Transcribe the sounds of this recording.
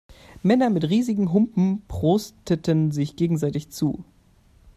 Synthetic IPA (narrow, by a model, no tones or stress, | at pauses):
mɛnɐmɪtʁiːzɪɡŋ̩ɦʊmpm̩pʁ̥oːstətənzɪçɡ̥eːɡŋ̩zaɪtɪçt͡sṵː